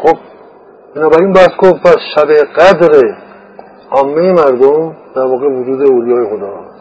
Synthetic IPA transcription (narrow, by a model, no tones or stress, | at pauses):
xob̚ | b̥enɒːbæɾiːnbæhskʰobpʰæsʃæbeɡæd̪ɾe | ɒːmːejemæɾd̪omd̪̥æɾvɒːɣevʊd͡ʒuːd̪eoːlijɒːjexod̪ɒː